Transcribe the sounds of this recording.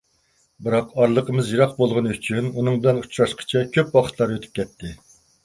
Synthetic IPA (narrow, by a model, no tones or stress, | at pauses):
bɨɾɑqɑɾlˠəqʰəmɨzjiɾɑq̚bolˠʁʊnyt͡ʃʰynunɨŋbɪlɛnut͡ʃɾɑʃqʰə̥t͡ʃʰɛkʲʰøpwɑχʰə̥t̪ʰlˠɑɾøt̪ʰy̥p̚kʲʰɛt̪ʰːɪ